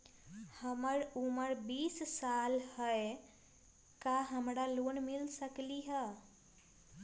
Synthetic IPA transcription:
həməɾuməɾbissalhəj | kaɦəmɾalonmilsəkliɦə

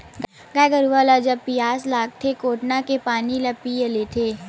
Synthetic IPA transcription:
ɡ | ɡaɡəɾuʋalad͡ʒɐbpijaːslaːɡ̚t̪ʰekoːʈnakepaːnilɐpijəlet̪ʰeː

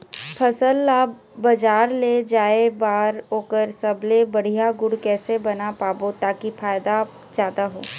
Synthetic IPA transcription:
pʰɐsəlːaː | bɐd͡ʒaːɾled͡ʒaːebaːɾoːkəɾsɐblebɐɽ̤ijaɡʊɽkɛːsebɐnapaːbot̪aːkifaːjd̪a | d͡ʒjaːd̪aɦoː

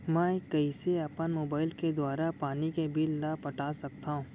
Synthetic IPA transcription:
mɛ̃kəiseɐpənmoːbaːɪlked̪waːɾapaːnikebilnapɐʈaːsɐk̚t̪aːɦũ

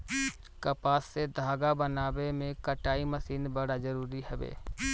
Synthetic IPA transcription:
kəpaːsːed̪ʱaːɡabənaːbemẽkəʈaːiməsiːnbəɽazəɾuːɾiɦɛbḛː

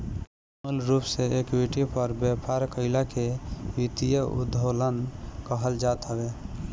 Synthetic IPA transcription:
mulɾupseekwiʈipəɾbəpʰaɾkəɪlakewit̪ijəṵd̪ʱolənkəɦəld͡ʒat̪ɦəbe

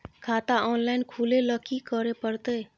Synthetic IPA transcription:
kʰat̪aɔnlaɪnkʰuleləkikəɾepəɾt̪ə

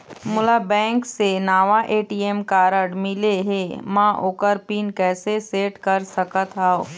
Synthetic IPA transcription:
mʊlabɛ̃ːŋksenaːʋaʔeːʈiːemkaːɾəɽmɪleɦẽmãʔoːkəɾpiːnkɛːseseːʈkəɾsəkət̪ɦaːo

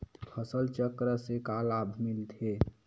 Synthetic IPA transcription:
pʰəsəlt͡ʃəkɾəsekalabʱmilt̪ʰe

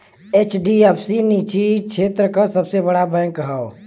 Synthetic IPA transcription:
et͡ʃɖiɛpʰsinit͡ʃikt͡ʃʰeːt̪ɾəkasəbsebəɽabɛ̃kːəɦao

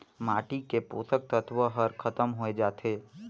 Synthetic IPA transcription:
maːʈikepo̰ːsək̚t̪ət̪ʋəɦɐɾkʰɐt̪əmɦoed͡ʒaːt̪ʰeː

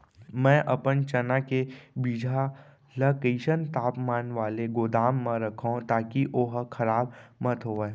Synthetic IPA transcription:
mɛ̃ːʔɐpənt͡ʃɐnakebiːd͡ʒʱa | ləkeːʃənt̪aːpmaːnʋaːleɡoːd̪aːmːãɾɐkʰaũt̪aːkiʔoɦkʰɐɾaːb̚mət̪ɦoːeː

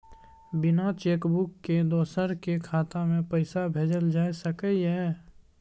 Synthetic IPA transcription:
bɪnat͡ʃeːkbʊkːed̪ɔːsəɾkekʰaːt̪amẽpəɪsabʱeːd͡ʒəld͡ʒaːesəkəiɦɛː

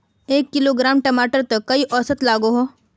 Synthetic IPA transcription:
eːkːɪloːɡɾaːmʈɐmaːʈəɾt̪ɐkɐiʔɔːsət̪laːɡoɦoː

